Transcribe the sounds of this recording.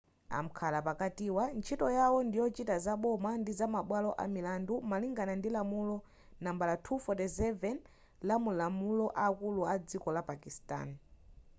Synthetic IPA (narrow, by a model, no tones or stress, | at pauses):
a̰m̩kʰalapakatiwant͡ʃʰitɔjawɔndijɔt͡ʃitazaɓɔmandizamaɓwalɔʔa̰milandumaliŋɡanandilamulɔ | nambalatʰufɔtɛzɛvɛn | lamulamulɔʔaːkuluad͡zikɔlapakista̰n